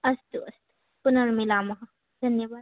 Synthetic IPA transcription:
ɐst̪uɐst̪u̥ | pʊnɐɾmilaːmɐɦɐ | d̪ʱɐnjɐʋaː

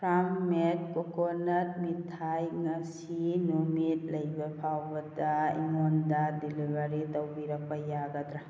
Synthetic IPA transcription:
pʰɾammet̚kokonɐt̚mitʰajŋɐs | inumit̚lɐjbɐpʰawbɐdɐḭŋondɐdilibʱaɾitɐwbiɾɐk̚pajaɡɐdɾa

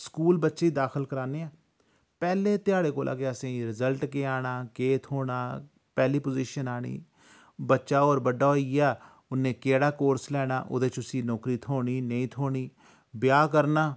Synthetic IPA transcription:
skuːlbətːʃed̪aːxɪlkəɾaːneːãː | pɛːleːt̪ɪjaːɽeːkoːlʔa̰ːkeːəsẽːɾɪzəlʈkeːaːɽaːkeːt̪ʰɦoːɽaː | pɛːliːpʊziːʃənaːɽ̃ḭː | bətːʃaːoːɾbəɖaːɦoːiaː | ʊnːẽːkeːɽaːkoːɾslɛːɽ̃a̰ːʔʊ̰d̪eːt͡ʃʊsiːnɔːkɾiːt̪ʰoːɽiːnəĩːt̪ʰoːɽ̃iː | bɪjaːkəɾnaː

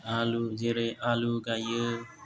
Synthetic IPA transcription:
alud͡ʒeɾeʔaluɡajə

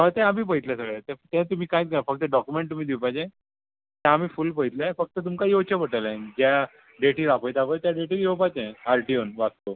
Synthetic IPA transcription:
ɦət̪ɛ̃am̤iːp̬əjt̪lɛ̃səɡɭat̪et̪ɛ̃t̪um̤iːkãjt̪ɡəafək̚t̪ːəɖɔkumeɳʈt̪um̤iːd̪iwpajd͡ʑẽ | t̪ɛ̃am̤iːfuːlpəit̪lafək̚t̪ət̪̬umkajot͡ɕəpəʈəlaẽd͡ʑa | ɖeʈiːɾapəjt̪apəjt̪jaɖeʈiːd̪ewpajd͡ʑẽaɾʈionʋast̪o

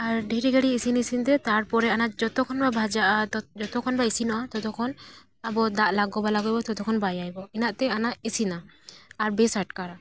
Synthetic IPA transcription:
aɾɖʱiɾiɡaɽiesinisint̪ɛt̪aɾpɔɾɛanaʔd͡ʒɔt̪ɔkʰɔnbabʱad͡ʒaʔat̪ɔd͡ʒɔt̪ɔkʰɔnbaesinɔʔat̪ɔt̪ɔkʰɔn | abɔd̪aʔlaɡɔbalaɡɔjbɔt̪ɔt̪ɔkʰɔnbajajbɔɛnaʔt̪ɛanaʔesinaːɾbesaʈkaɾa

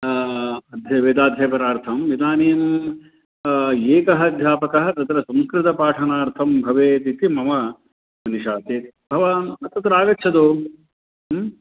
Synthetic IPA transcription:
ɐd̪ʱjɐʋeːd̪aːd̪ʱjɐpɐɾaːɾt̪ʰɐmʋid̪aːnijɐm | eːkɐɦɐd̪ʱjaːpɐkɐɦɐt̪ɐt̪ɾɐsɐ̃mskɾɪt̪ɐpaːʈʰɐnaːɾt̪ʰɐmbʱɐʋeːt̪it̪imɐmɐ | mɐniʃaːt̪i | bʱɐʋaːnɐt̪ɐt̪ɾaːɡɐtːt͡ʃʰɐd̪oː

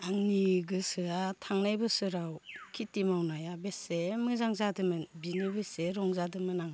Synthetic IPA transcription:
aŋniɡɯsɯatʰaŋnajbɯsɯɾawkʰitimawnajabesemɯzaŋzadɯmɯnbinibeseɾɔŋzadɯmɯnaŋ

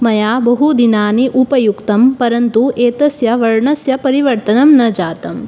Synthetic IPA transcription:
mɐjaːbɐɦud̪inaːniʔupɐjukt̪ɐmpɐɾɐnt̪ueːt̪ɐsjɐʋɐɭɳɐsjɐpɐɾiʋɐɾt̪ɐnɐmnɐd͡ʒaːt̪ɐm

